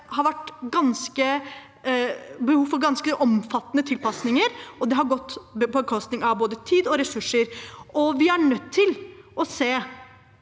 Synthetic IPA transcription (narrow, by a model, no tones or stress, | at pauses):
hɑɾʋæʈːɡɑnskə | bəhuːfɔɾɡɑnskəʔɔmfɑt̪ːənət̪ʰɪlpɑsnɪŋəɾɔd̪ɛɦɑɾɡɔt̪ːpʰɔkʰɔst̪nɪŋɑʋboːd̪ət̪ʰiːd̪ɔɾɛsʉʂːəɾʔɔʋɪæɳœt̪ʰːɪlʔɔseː